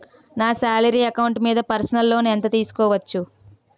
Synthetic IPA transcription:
naːsaːlɐɾiːɐkɐwuɳʈmiːd̪ɐpɐɾsɐnɐlːo̞ːnɛnt̪ɐt̪iːsu̥kɔːʋɐt͡ʃːu

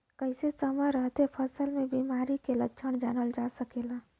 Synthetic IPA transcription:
kəɪsesəməɾəɦt̪epʰəsəlmebimaɾikelətːt͡ʃʰəɳd͡ʒanəld͡ʒasəkela

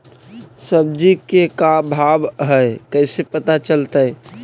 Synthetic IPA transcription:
səbd͡ʒikekabʱabɦəkəɪsepət̪at͡ʃəlt̪ə

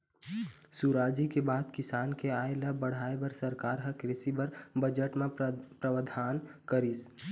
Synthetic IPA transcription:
suɾaːd͡ʒikebaːd̪kɪsaːnkeaːeləbːəɽ̤aːebəɾsəɾkaːɾɦəkɾɪsibəɾbəd͡ʒəʈmãpɾəwəd̪ʱaːnkəɾis

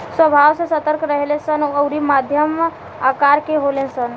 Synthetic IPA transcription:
swəbʱawsə̃sət̪əɾkɾəɦelesənəʊɾimad̪ʱjəm | akaɾkeɦolẽsən

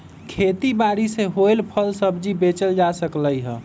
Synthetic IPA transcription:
kʰet̪ibaɾiseɦoelpʰəlsəbd͡ʒibet͡ʃəld͡ʒasəkləjɦə̃

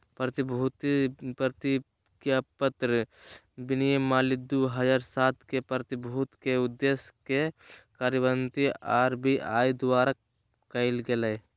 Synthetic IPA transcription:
pɾət̪ɪbʱut̪pɾət̪i | kjapət̪ɾə | bɪnijəmːaːlɪd̪uɦəd͡ʒaːɾsaːt̪kepɾt̪ɪbʱut̪keʊd̪ːeskekaːɾjəbənt̪iaːɾbiʔa̰ːjd̪ʊwaːɾa | kəɪlɡelə

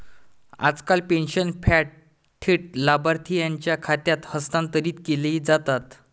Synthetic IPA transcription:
a̰d͡zkalpenɕənfʰɛʈ̚ | ʈʰːiʈ̚labaɾt̪ʰijãɲt͡ɕjakʰat̪jat̪həst̪ãnt̪əɾiːt̪kelid͡zat̪at̪

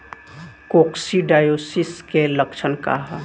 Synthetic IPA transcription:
koksiɖajosiskeləkt͡ʃʰənka̰ɦ

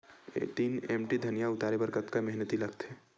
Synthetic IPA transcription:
t̪iːnḛːmʈid̪ʱɐnijaʊt̪aːɾebɐɾkət̪kamɛɦnət̪ilɐkt̪ɦɛː

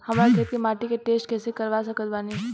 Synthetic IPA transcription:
hɐmɾakʰeːt̪kemaːʈikeʈeːsʈkɛːsekəɾʋasəkət̪̚baːniː

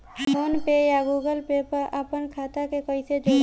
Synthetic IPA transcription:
sonpejaɡuɡəlpepəɾʔəpənkʰat̪akekəjsed͡ʒe

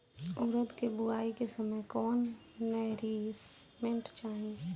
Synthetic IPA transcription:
ʊɾəd̪kebʊaːikesəməjkɔːnː | əɾismẽɳʈt͡ʃaːɦẽ

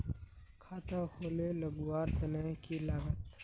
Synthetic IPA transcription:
kʰaːt̪akʰoːleləɡuwaːɾt̪ɐnaɦkilaːɡət̪

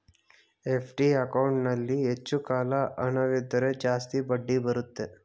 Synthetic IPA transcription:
epʰʈiɐkɐwɳʈnɐlːiɦet͡ʃːukaːlɐʔɐnɐʋid̪ːɐɾed͡ʒaːst̪ibɐɖːibɐɾut̪ːe

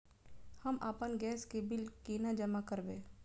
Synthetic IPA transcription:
hɐmʔaːpənɡɛːskebɪlkeːnad͡ʒəmakəɾbẽː

